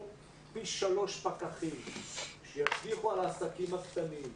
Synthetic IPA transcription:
piʃʃalo̞ʃpakaχimʃejaʃviχualaːsakimakt̪anim

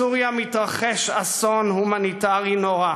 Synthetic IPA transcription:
uʁjamit̪ʁaχeʃasonhumanitaʁinoʁa

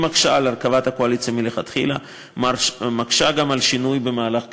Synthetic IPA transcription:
makʃalaʁkavat̪hakoalit͡sjamileχat̪χḭla | makʃaɡamalʃinujbe̞maːlaχk

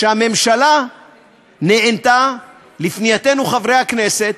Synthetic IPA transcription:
ʃehame̞mʃala | ne̞ʔent̪a | lifnijat̪e̞nuχavʁejhakne̞se̞t̪̚

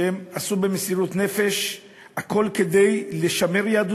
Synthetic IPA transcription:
emasube̞mesiʁut̪ne̞fe̞ʃ | hakʰo̞lke̞d̪e̞jleʃame̞ʁjaːd̪u

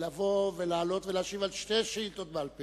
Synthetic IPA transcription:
lavovelaːlo̞t̪velaʃivalʃteʃiilt̪ot̪̚bealpe

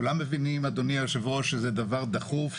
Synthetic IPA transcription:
ulamːevinimad̪oniaʃevoʃezɛd̪avaʁd̪aχuf

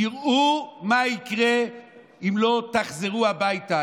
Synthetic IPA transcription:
iʁumaikʁe | imlo̞t̪aχzeʁuabajta

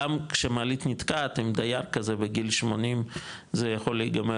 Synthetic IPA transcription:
amkʃemaːlit̪nit̪kat̪himd̪ajaʁkazebeɡilʃmonim | zejaχolejɡame

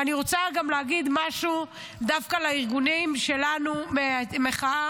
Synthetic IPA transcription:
aniʁot͡saɡamleaɡid̪maʃu | d̪afkalaiʁɡunimʃe̞lanumemeχaa

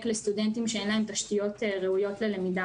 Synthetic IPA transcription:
klest̪udent̪imʃeenlahemt̪aʃt̪ijo̞t̪ʁeujo̞tle̞lemida

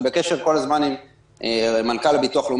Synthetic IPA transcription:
beke̞ʃeʁko̞lazmanim | emankalbit̪uaχlum

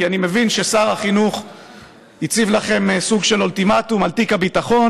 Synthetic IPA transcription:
ianime̞vinʃesaʁaχinuχ | it͡sivlaχe̞msuɡʃe̞loltimat̪umalt̪ikabit̪aχo̞n

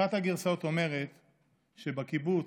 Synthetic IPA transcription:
at̪haɡiʁsaot̪o̞me̞ʁe̞t̪ | ʃebakibu

